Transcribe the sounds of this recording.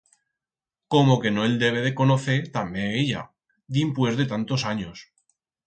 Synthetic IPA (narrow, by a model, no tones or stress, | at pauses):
komo̞ke̞noe̞ld̪e̞β̞e̞ð̞e̞ko̞noθe̞ɾt̪ameeʎa̰ | d̪impwe̞zðe̞t̪ant̪o̞saɲos